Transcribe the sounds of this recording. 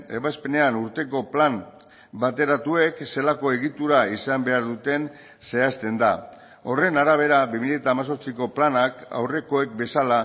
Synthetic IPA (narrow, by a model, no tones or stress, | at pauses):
e̞βaspe̞ne̞anuɾt̪e̞ko̞plam | bat̪e̞ɾat̪ue̞kse̞lako̞e̞ɣit̪uɾaisambe̞aɾðut̪e̞n | se̞ast̪e̞nd̪a | o̞re̞naɾaβ̞e̞ɾaβimiʎaet̪aːmas̬o̞ɾt͡siko̞planaka̰wre̞ko̞e̞k̚be̞sala